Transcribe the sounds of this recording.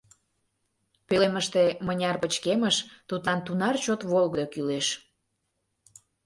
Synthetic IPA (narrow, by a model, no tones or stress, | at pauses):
pøleməʃt̪emənʲɑrpət͡ɕkeməʃt̪ut̪lɑnt̪unɑrt͡ɕot̪βolɣəd̪okyleʃ